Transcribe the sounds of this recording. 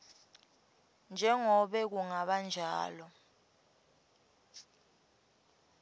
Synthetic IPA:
nd͡ʒʱɛŋɔɓɛk̬uŋaɓand͡ʒʱa̰ːlɔ

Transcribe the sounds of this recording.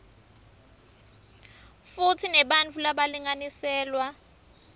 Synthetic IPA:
fut͡sʰinɛɓant͡fʰulaɓaliŋanisɛːlwa

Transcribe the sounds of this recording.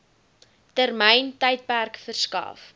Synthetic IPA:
tərməjntəjt̚pærkfərskɑ̰ːf

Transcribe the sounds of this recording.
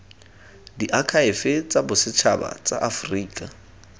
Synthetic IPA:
diʔakʰaɪfɪt͡sʼabʊsɪt͡ʃʰaba̰t͡sʼa̰ʔafriːkʼa

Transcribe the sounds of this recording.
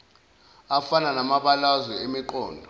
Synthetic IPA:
afananamaɓalazwɛemiǃɔːndʱɔ

